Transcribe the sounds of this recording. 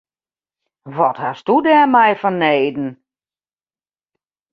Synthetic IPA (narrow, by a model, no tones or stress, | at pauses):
ʋɔthastudɛːmɛjfɔnːeːdn̩